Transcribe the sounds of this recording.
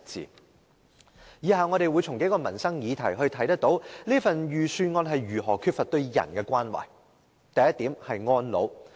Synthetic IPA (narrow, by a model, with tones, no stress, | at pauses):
t͡sḭː˨˧ | jiː˨ɦaː˨˩wŋɔː˨˧ɾe˨˧jwuː˨˧jt͡sʰʊ˨˩ŋke˨˥kɔː˧mɐ˨˩nsɐ˥ŋjiː˨˧t̪ʰɐ˨˩jɦɵ˧ɥt̪ʰɐ˨˥jt̪ɐ˥k̚t̪o˨˥wliː˥fɐ˨njyː˨syː˧nŋɔː˧nɦɐ˨jɥyː˨˩ɦɔː˨˩kʰyː˧t̚fɐ˨t̚t̪ɵ˧ɥjɐ̰˨˩nkɛː˧kwaː˥nwa̰ː˨˩j | t̪ɐ˨jɐ˥t̪̚iː˨˥mhɐ˨jŋɔː˥nlo̰˨˧w